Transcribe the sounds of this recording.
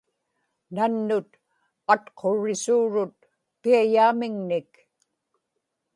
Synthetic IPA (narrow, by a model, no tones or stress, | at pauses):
nanːʊt̪ | at̪qʰo̞ɻɪsuːɻʊt̪̚ | piajaːmɪŋnɪk